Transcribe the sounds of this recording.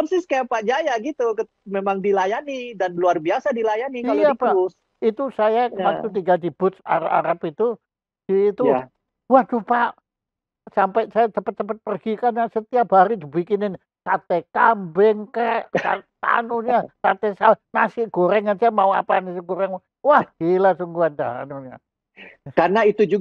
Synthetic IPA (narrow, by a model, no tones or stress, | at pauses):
əsɪhskaapad͡ʒajaɡit̪ukə | memaŋdilajanidanluarbiasadilajanikaiapa | it̪usajakəmasut̪̬iɡadib̥ʊt̪sa̰ɾaa̰ɾapit̪u | d̥iːt̪u | wahdupaʔ | sampɛsajat̪əpət̪ːəpət̪̚pərɡikarnasət̪iap̚ɦaɾidibikɪnɪn | kat̪ɛkambɛŋkəka̰t̪a̰nuɲakat̪ɛsalnasɪʔɡ̥oɾɛŋːansajamaua̰panasɪɡoɾɛŋ | wahdilasuŋɡuand̪aɦa̰nuɲa̰ | kanait̪ud͡ʒu